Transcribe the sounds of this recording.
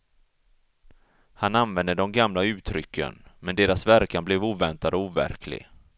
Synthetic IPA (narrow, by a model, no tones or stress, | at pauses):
hananvɛnd̪əd̪ɔmɡamlaʉ̟ːt̪ʰɾʏkʰːə̰nmɛnd̪eːɾasvæɾkanblɛvuːvɛnt̪ad̪ɔuːvæ̰ɾkʰlɪ̰ɡ